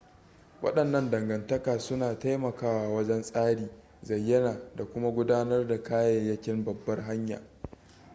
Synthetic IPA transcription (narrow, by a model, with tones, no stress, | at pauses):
wɐ̰˦ɗɐ˨nːɐ˦ndɐ˨ŋɡɐ˨ntɐ˦kaː˨sʊ˦naː˨ta˦jmɐ˨kaː˦waː˨wɐ˦d͡ʒɛ˦nsʼaː˦ɽiː˨ | zɐ˨jːɐ˦naː˨da˨kʷʊ˦ma˦ɡʷʊ˦daː˦nɐ˦rda˨kaː˦jɛ˨jːɐ˦kʲɪ˦mbɐ˨bːɐ˦rɦa˦ɲja̰ː˨